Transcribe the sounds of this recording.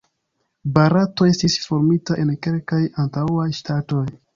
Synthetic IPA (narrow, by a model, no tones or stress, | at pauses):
baɾato̞e̞stisfo̞ɾmitaʔe̞nke̞lkajantawajʃtato̞j